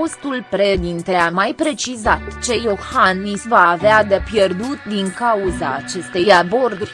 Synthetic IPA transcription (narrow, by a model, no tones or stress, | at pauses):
ost̪ulpɾed̪int̪e̞amajpɾe̞t͡ʃizat̪t͡ʃe̞jo̞hanisvaːvead̪epje̞rd̪ut̪d̪iŋkauzaːt͡ʃe̞st̪e̞jabo̞rd̪uɾʲ